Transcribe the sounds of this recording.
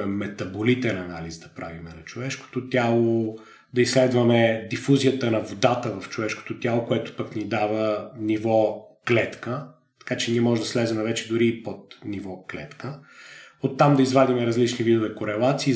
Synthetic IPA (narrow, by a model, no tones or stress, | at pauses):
ɛmɛt̪ɐbolit̪ɛnɐna̰lizd̪ɐpɾa̰vimɛnɐt͡ʃovɛʃko̥t̪ot̪ʲalˠo | d̪ɐisːlɛd̪vɐmɛd̪ifuzijət̪ənɐvod̪at̪əvɐft͡ʃovɛʃko̥t̪ot̪ʲjalˠokoɛt̪ʊ̥pəknid̪avənivɔklɛt̪kə | t̪ɐ̥kat͡ʃɛniɛmɔʒɛd̪ɐslɛzɛmɛvɛt͡ʃɛd̪ʊɾiːpot̪nivɔklɛ̰t̪kə | ot̪ːamd̪ɐizvad̪imɛɾɐzlit͡ʃnivid̪ovɛkoɾɛlˠat̪siː